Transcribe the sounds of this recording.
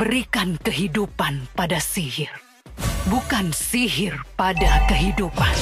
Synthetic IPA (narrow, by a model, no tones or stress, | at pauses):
bəɾikankəɦidupanpadasiɦɪr | bukansiɦɪrpadakəɦidupan